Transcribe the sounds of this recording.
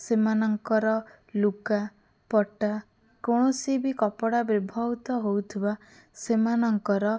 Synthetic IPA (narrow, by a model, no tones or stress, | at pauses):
semanɔŋkɔɾɔ | luka | pɔʈa | koɽ̃ɔsibikɔpɔɽabibʱɔwt̪ɔɦowt̪ʰiba | semanɔŋkɔɾɔ